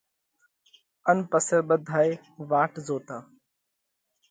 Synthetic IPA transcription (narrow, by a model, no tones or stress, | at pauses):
ənpəsəːɓəd̪ʱaːj | ʋaːʈzoːt̪aː